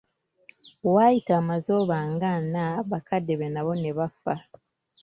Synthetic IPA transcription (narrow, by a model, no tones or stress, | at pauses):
waːjitaːmazoːβaŋɡanaβakadːeβenaβo̞ne̞βafa